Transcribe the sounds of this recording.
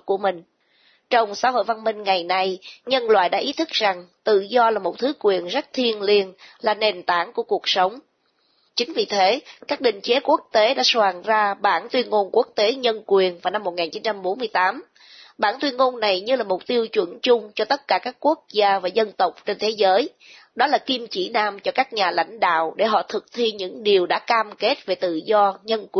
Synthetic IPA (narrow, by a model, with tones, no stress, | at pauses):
ku˧˩əmï˨˩ŋ̟ | t͡ɕɔ˧wŋ͡msa̰ː˧˥ɦo̰˧˨jva˧nmï˧ŋ̟ŋa˨˩jna˧jɲə˧nlwa̰ː˧˨jɗa̰ː˧˥ʔi˨˦t̪ʰɨ˦˥k̚za˨˩ŋt̪ɨ̰˧˨zɔ˧laː˨˩mo˨˩t̚t̪ʰɨ˨˦kwi˨˩ənzə˦˥t̚t̪ʰi˧ənli˧ənlaː˨˩ne˨˩nt̪aː˧˩ŋku˧˩əku˨˩ək̚sə˨˦wŋ͡m | t͡ɕï˨˦ŋ̟vi˨˩t̪ʰe˨˦kaː˦˥k̚ɗḭ̈˧˨ŋ̟t͡ɕe˨˦ku˦˥ək̚t̪e˨˦ɗa̰ː˧˥swaː˨˩ŋzaː˧ɓaː˧˩nt̪wi˧ənŋo˧nku˦˥ək̚t̪e˨˦ɲə˧nkwi˨˩ənvaː˨˩wna˧mːo˨˩t̚ŋaː˨˩nt͡ɕi˨˦nt͡ɕa˧mɓo˨˦nmɨ˧əjt̪aː˨˦m | ɓaː˧˩nt̪wi˧ənŋo˧nːa˨˩jɲɨ˧laː˨˩mʊ˨˩k͡p̚t̪i˧əwt͡ɕwə̰˧˥nt͡ɕʊ˧ŋ͡mt͡ɕɔ˧t̪ə˦˥t̚kaː˧˩kaː˦˥kːu˦˥ək̚zaː˧vaː˨˩zə˧nt̪ə˨˩wk͡p̚t͡ɕe˧nt̪ʰe˨˦zəː˨˦j | ɗɔ˨˦laː˨˩ki˧mt͡ɕḭ˧˩naː˧mt͡ɕɔ˧kaː˦˥k̚ɲaː˨˩la̰˧˥jŋ̟ɗa̰ː˧˨wɗe˧˩ɦɔ̰˧˨t̪ʰɨ˨˩k̚t̪ʰi˧ɲɨ̰˧˥ŋɗi˨˩əwɗa̰ː˧˥kaː˧mke˦˥t̚ve˨˩t̪ɨ̰˧˨zɔ˧ɲə˧nkw